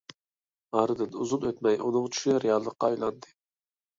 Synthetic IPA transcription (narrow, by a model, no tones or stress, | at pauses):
ɑɾɨd̪ɨnuzunøt̪mɛjʔunɨŋt͡ʃʰy̥ʃɾejɑlˠːəqːɑɑjlˠɑnd̪ɨ